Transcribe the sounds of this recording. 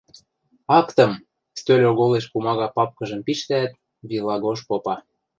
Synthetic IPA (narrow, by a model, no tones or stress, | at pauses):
ɑkt̪ə̆m | st̪ølʲoɣoleʃpumɑɣɑpɑp̚kɤ̆ʒɤ̆mpiʃt̪æt̪̚ | βilˠɑɣoʃpopɑ